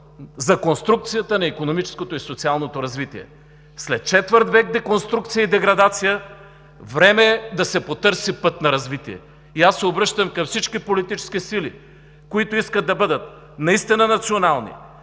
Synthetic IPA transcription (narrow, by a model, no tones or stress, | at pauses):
zɐkonst̪ɾuk̚t̪sijət̪ənɐikonomit͡ʃɛ̥skot̪oisot̪sialˠnot̪oɾɐzvit̪ḭɛ̰ | slɛt̪̚t͡ʃɛt̪vəɾt̪vɛk̚d̪ɛkonst̪ɾukt̪sijəid̪ɛɡɾɐd̪at̪sijə | vɾɛmɛd̪ɐsɛpot̪ɤɾsipɤt̪nɐɾɐzvit̪iɛ̰ | iasːɛobɾɤʃt̪əmkɐmfsit͡ʃkipolit̪it͡ʃɛ̥skisili | koit̪oiskəd̪̚ːɐbɤd̪ət̪̚ | nɐist̪inənɐt̪sionalˠnḭ